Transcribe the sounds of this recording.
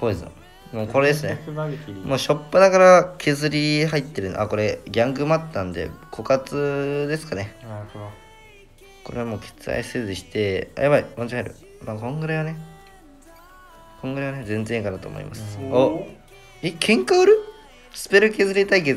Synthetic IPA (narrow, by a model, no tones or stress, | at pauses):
soːd̪esɨno̰ | moːkoɾed̪esɨnemoːɕo̞pːɯnaɡaɾakʰe̞zɨɾʲiɦait̪ːe̞ɾɯ̟n̰ʔako̞ɾe̞ɡʲãŋɡɯ̟mat̪ːnãnd̪e̞̰kʰo̞kat͡sɨd̪e̞sɨ̥kane̞ | ko̞ɾe̞βamo̞ːkʰe̥t͡sɨa̰isezɨɕi̥t̪e̞a̰jaβaiõt͡ɕiɦaɾɯ̟̰ | maːkõ̞ŋɡɯ̟ɾajβane̞ | kõ̞ŋɡɯɾajβanezẽ̞nd͡zẽ̞kanat̪o̞̰ːmo̰ḭmasɨ̥o | ekʰẽ̞ŋkaɯɾɯ̟ | sɨ̥pe̞ɾɯke̞zɨɾʲit̪aike